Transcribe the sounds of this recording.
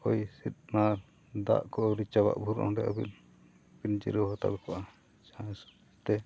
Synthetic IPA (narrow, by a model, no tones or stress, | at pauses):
ɔjsit̪̚naɾ | d̪a̰ʔkɔʔɔɾit͡ʃaba̰ʔbʱuɾɔ̰ɖɛʔɔbḭn | bind͡ʒḭɾɔɦɔt̪a̰bɛkɔʔa | d͡ʒãs | t̪ɛ